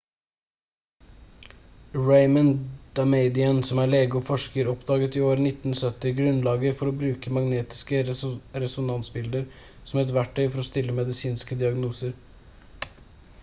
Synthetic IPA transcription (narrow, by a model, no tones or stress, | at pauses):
ɹeɪmənd̪̥ɑmeɪd̪ɪənsɔmæːɭeːɡʊfɔʂkəɾɔpd̪ɑːɡət̪ɪoːɾnɪt̪n̩sœt̪ːɪɡɾʉnlɑːɡəfɔɾoːbɾʉːkəmɑɡneːt̪ɪ̥skəɾɛsʊnɑnsbɪld̪əɾ | sɔmæɾɛt̪ʋæʈʰːœʏfɔɾɔst̪ɪlːəmɛd̪ɪsiːnskəd̪ɪɑɡnuːsəɾ